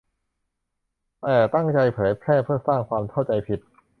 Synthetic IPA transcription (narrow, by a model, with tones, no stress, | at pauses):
t̪ɛː˨˩t̪a˥˩ŋt͡ɕa˧jpʰɤː˩˦jpʰɾɛː˥˩pʰɯ˥˩ɐsaː˥˩ŋkʰwaː˧mt̪ʰa˥˩wt͡ɕa˧jpʰi˨˩t̪̚